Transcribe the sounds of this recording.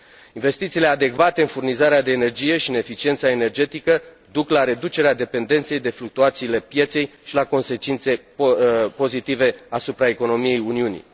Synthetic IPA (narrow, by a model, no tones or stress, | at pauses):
inve̞st̪it̪siːle̞ad̪e̞kvat̪e̞ɨnfurnizaɾead̪e̞ːne̞rd͡ʒije̞ʃiɨne̞fit͡ʃie̞nt̪sae̞ne̞rd͡ʒe̞t̪ikə | d̪uklaɾe̞d̪ut͡ʃe̞ɾead̪e̞pe̞nd̪e̞nt̪sejd̪e̞fluk̚t̪uat̪siːle̞pje̞t̪se̞jʃilako̞nse̞t͡ʃint̪se̞ | po̞zit̪ive̞asupɾae̞ko̞no̞mije̞juniunḭ